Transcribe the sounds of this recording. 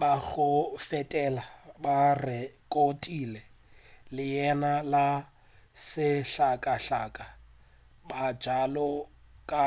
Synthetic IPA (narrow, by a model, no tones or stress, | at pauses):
baɣʊfɛtʼɛlabarɛkʼotʼilɛ | lɪjɛnala | sɪɬakʼaɬaːkʼa | bad͡ʒalɔkʼa